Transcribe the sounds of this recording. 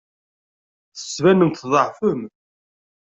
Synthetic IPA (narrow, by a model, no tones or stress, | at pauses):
θə̥svænənt̪ðˤəʕfəm